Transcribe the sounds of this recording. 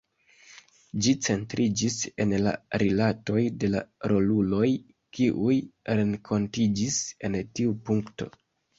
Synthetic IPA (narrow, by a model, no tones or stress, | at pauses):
d͡ʒit͡se̞ntɾʔid͡ʒise̞̰nla̰ɾilato̞jde̞la̰ɾo̞lulo̞j | kiʔujɾe̞ŋkʰo̞ntid͡ʒise̞ntiupuŋkto̞̰